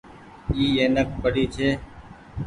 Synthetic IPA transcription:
iːeːnək̚ʰpəɽ̤iːt͡ʃʰeː

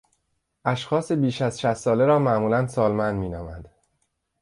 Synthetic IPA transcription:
ʔæʃxɒːse̞biːʃæzʃæst̪ːɒːleɾɒːmæʔmuːlænsɒːlmænd̪miːnɒːmæd̪̥

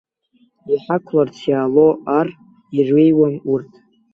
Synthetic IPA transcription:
iħakʷʰlart͡sʰjaːlo̞ʔar | irwejwanurtʰʼ

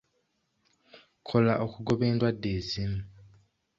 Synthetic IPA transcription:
kʰo̞laʔokuɡo̞βe̞ːndwadːe̞zimu

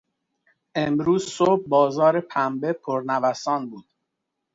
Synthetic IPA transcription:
ʔemɾuːzsobːɒːzɒːɾe̞pʰæmbepʰoɾnævæsɒːnbuːd̪̥

